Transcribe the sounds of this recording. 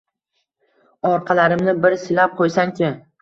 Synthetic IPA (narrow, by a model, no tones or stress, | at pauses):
ɒɾqʰɑlaɾɪmnɪbɪɾsɪlap̚qʰojsaŋkʲɪ